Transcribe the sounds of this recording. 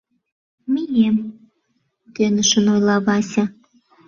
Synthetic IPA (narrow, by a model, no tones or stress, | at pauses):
mijem | t̪ønəʃə̆nojlɑβɑsʲɑ